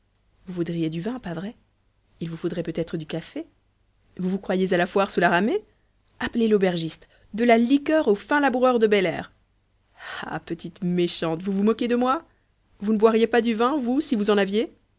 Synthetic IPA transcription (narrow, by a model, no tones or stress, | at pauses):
vuvud̪ʁijed̪yvɛ̃pavʁɛ | ilvufod̪ʁɛpøt̪ɛt̪χəd̪ykafe | vuvukχwajezalafwaʁsulaʁame | aplelobɛʁʒist̪ | d̪əlalikʲœʁofɛ̃labuʁœʁd̪əbɛlɛ̰ːʁ | a̰pət̪it̪meʃɑ̃t̪vuvumɔkʲed̪əmwa | vunəbwaʁjepad̪yvɛ̃vusivuzɑ̃navje